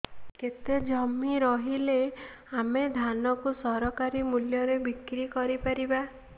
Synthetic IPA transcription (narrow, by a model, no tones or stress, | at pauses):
ket̪ed͡ʒɔmiɾɔɦile | amed̪ʱanɔkusɔɾɔkaɾimuljɔɾebikɾikɔɾipaɾiba